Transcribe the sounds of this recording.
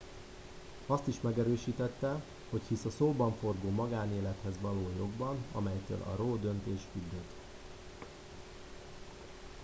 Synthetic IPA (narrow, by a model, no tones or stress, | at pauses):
ɒst̪iʃmɛɡɛɾøːʃiːt̪ɛt̪ːɛ | ho̞chisɒsoːbɒɱfo̞rɡoːmɒɡaːneːlɛt̪hɛzʋɒloːjo̞ɡbɒnɒ̰mɛjt̪ø̰ːlʔɒ̰roːd̪ø̞nt̪eːʃkyd̪øt̪